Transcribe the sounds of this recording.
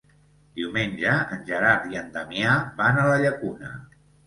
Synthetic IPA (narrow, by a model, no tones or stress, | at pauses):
d̪iwmenʲd͡ʒəənʲʒəɾaɾt̪iənd̪əmjabanələʎəkunə̰